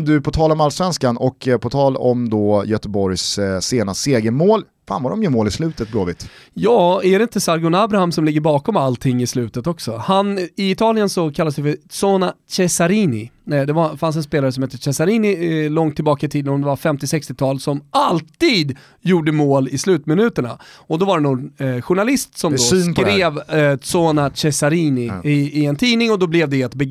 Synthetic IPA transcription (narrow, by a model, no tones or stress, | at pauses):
d̪ɵpʰɔt̪ʰɑːlɔmalsvɛnskanɔkʰpʰɔt̪ʰɑːlɔmd̪ɔjœt̪əbɔɾjsseːnaseːɡəmoːl | fa̰ːnvaɖɔmjɵmoːlɪslʉ̟ːt̪ət̪̚ɡlo̰ːvɪ̰t̪jɑːæɖɛɪnt̪əsaɾɡʊnabɾahamsɔmlɪɡːəɾbɑːkɔmalt̪ʰɪŋːɪslʉ̟ːt̪ət̪ɔksɔhanɪɪt̪ʰɑːlɪjənsɔkʰalːasd̪ɛfœsoːnaɕɛsaɾiːnɪd̪ɛvafans̬ɛnspeːlaɾəsɔmhɛːt̪ːəʂɛsaɾiːnɪlɔŋt̪ʰːɪlbɑːkaɪt̪ʰiːd̪ənhʊmnd̪ɛvaɾfɛmt̪ɪsɛkst̪ɪt̪ʰɑːlsɔmalt̪iːd̪ | juːɖəmoːlɪslʉ̟ːt̪mɪnʉ̟ːt̪əɳa̰ɔd̪ɔvaɖɛnʊnɧʊɳalɪst̪sɔmd̪kɾeːvt̪soːnaɕɛsaɾiːnɪɪɪɛnt̪ʰiːnɪŋɔd̪ɔblɛvd̪ɛɛt̪bɛ